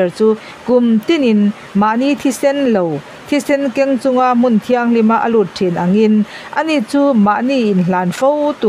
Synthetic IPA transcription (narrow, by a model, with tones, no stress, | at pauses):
ɛ˨rt͡suː˦ | ku˨mt̪i˥˨ni˨n | ma˨ʔni˧˨t̪ʰi˥sɛ˥nlo˨w | t̪ʰi˦sɛ˦˥nkɛ˦˥ŋt͡sʊ˧ŋa˧ʔm̥u˨nt̪ʰi˧aŋli˧ma˦ʔə˨lu˨˩t̪̚ʈʰi˨nʔa˨ŋinʔəni˨ʔt͡suː˦ma˧˨ʔni˧˨ʔːnlaː˨nfo˦wt̪u˨